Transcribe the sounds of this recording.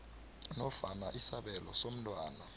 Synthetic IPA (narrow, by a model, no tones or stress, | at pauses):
nɔfanaʔisaɓɛlɔ̰som̩tʼwaːna